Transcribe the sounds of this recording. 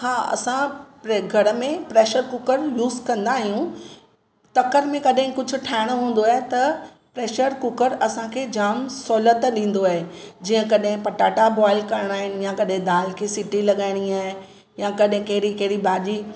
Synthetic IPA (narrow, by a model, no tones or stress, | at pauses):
haːɐ̰sãpɾeɡʱɐɾmẽpɾeːʃəɾkʊkəɾjuːzkɐ̃nd̪aːɦijũ | t̪ɐkəɾmẽkɐɗɦɪ̃kʊd͡ʑʱʊ̆ʈʰaːɦɪɽ̃oɦũːn̆d̪oaːɦet̪ɐ | pɾeːʃəɾkʊkəɾɐsãkʰeːd͡ʑaːmsoːlət̪ɗĩːn̆d̪oaːɦed͡ʑiːə̃kɐɗɦɪ̃pɐʈaːʈabɔːɪlkɐɾɪɽ̃aːɦɪnɪ̆jãkɐɗɦɪ̃d̪aːlkʰeːsɪʈilɐɠaːɪɽ̃iaːɦɪn | jãkɐɗɦɪ̃kɐɦɪɾikɐɦɪɾibaːʄiː